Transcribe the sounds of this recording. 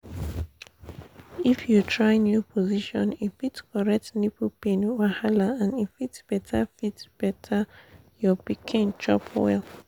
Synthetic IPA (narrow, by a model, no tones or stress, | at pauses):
ifjutʰɹaɪnjupʰɔziʃɔ̰̃nifitskɔɹɛk̚tnipupẽnwahalaãnifitsb̥ɛtʰafitb̥ɛtʰa | jɔbikʰĩnt͡ʃɔ̰pʰwɛ̰l